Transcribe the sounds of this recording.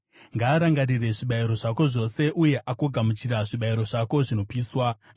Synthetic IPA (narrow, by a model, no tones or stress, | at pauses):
ŋɡaːɾaŋɡarire̞ʐiɓaiɾo̞ʐako̞ʐo̞se̞ʔuje̞ʔako̞ɡʱamut͡ʃiɾaʐiɓaiɾo̞ʐako̞ʐino̞piːswa